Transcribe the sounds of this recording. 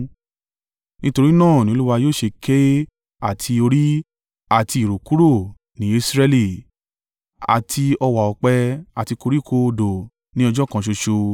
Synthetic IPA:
nĩ˦to˧ɾi˦nãː˦˨nĩ˨˦o˦u˦wa˧joː˦˨ʃe˧kʰe˦ | a˦˨tʰi˧o˧ɾi˦ | a˦˨ti˧˨ɾo˨ku˦ɾo˦˨ | nĩ˨˦˧sɾɛ˧li˨ | a̰˨tʰi˧ɔ˧wa˨ɔ˨k͡pɛ˧a˨ti˧ko˧ɾi˦˨kʰo˧do˨ | nĩ˦ɔ˧d͡ʒɔ˦kã˧ʃ̬o˧ʃo˧

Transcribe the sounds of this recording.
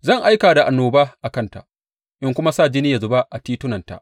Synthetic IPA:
zɐ˦˨ŋʔa˦jkaː˨da˨ʔa˨nːoː˨baː˦ʔa˨kɐ˦nta̰˨ʔ | ʔɪ˦ŋkʷʊ˦ma˦saː˦˨d͡ʒɪ˦nɪ˦ja˨zʊ˦ba˦ʔa˨tiː˦tʊ˦nɐ˨nta̰˨ʔ

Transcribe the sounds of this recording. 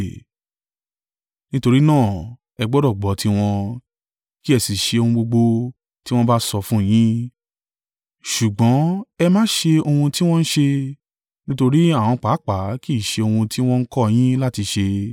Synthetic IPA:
nĩ˦to˧ɾi˦nãː˦˨ | ɛ˧ɡ͡bɔ˦dɔ˦˨ɡ͡bɔ˨˦ti˧w̃ɔ̃˧ | ki˦ɛ˧˨si˨ʃe˧o˧hũ˧ɡ͡bo˧ɡ͡bo˧ | ti˦w̃ɔ̃˦ba˦sɔ˧fũ˦˨j̃ĩ˦ | ʃu˨ɡ͡bɔ̃˨˦ɛ˧mãː˦ʃe˧o˧hũ˧ti˦w̃ɔ̃˦ñ̩˦ʃe˧ | nĩ˦to˧ɾi˦a˦˨w̃ɔ̃˧k͡pa˨˦k͡pa˨˦ki˦˨ʃe˧o˧hũ˧ti˦w̃ɔ̃˦n̩˦kɔ˦˧j̃ĩ˦la˦ti˧ʃe˧

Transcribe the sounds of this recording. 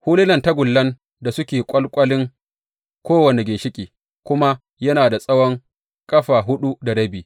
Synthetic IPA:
huː˦lɪ˦nɐ˨nta˦ɡʷʊ˨lːɐ˦n | da˨sʊ˦kʲeː˨kʷʼɐ˦lkʷʼɐ˦lɪ˦ŋ | kʷoː˦wɐ˨ne˨ɡʲeː˨ʃɪ˦kʲʼiː˨ | kʷʊ˦ma˦ | jɐ˦naː˨da˨sʼɐ˦wɔ˦ŋ | kʼɐ˦ɸaː˨ɦʊ˦ɗu˦da˨ɽɐ˦biː˨

